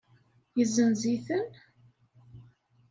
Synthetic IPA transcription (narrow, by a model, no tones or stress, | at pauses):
jəzənziθən